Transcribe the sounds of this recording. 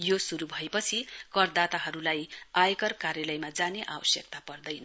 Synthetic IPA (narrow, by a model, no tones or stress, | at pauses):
josuɾubʱʌepʌt͡sʰikʌrd̪at̪aɦʌɾulajajekʌrkarjʌlʌjmad͡zaneʔawʌsjʌk̚t̪apʌrd̪ʌjn